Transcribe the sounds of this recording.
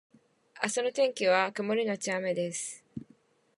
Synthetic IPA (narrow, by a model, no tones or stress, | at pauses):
asonot̪ẽ̞ŋkʲiβakɯmoɾʲinot͡ɕiamed̪esɨ̥